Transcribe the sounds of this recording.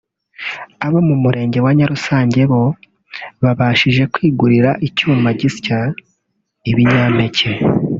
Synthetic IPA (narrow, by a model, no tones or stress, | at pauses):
aβo̞mumuɾe̞ːɲɟe̞waɲaɾusaːɲɟe̞βo̞ | βaβaːʃiʒe̞kwiːɡuɾiɾaʔicuːmbaɟisca | iβiɲaːme̞cʰe